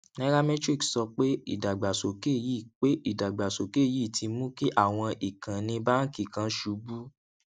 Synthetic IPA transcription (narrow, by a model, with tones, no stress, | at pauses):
nɛ˦ɾa˦mɛ˦tɾi˦˨ksɔ˧k͡pe˦ḭ˦˨da˨ɡ͡ba˨so˨ke˦˨ji˦˨k͡pe˦ʔi˦˨da˨ɡ͡ba˨so˨ke˦˨ji˦˨ti˧mũ˦ki˦ʔa˦˨w̃ɔ̃˧ʔi˨kã˨nĩ˧ba˦n̩˦ki˦˨kã˨˦ʃu˨˦bu˦